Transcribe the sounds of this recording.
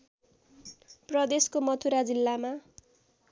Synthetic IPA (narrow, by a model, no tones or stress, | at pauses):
prʌd̪eskomʌt̪ʰuɾad͡zilːama